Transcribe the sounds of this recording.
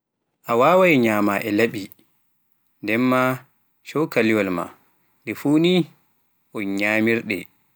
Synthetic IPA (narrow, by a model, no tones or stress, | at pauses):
ʔawaːwajɲaːmaʔɛlaɓi | ndɛmːa | ʃɔkaliwalma̰ | ɗɛfuni | ʔɔnɲaːmiɾɗɛ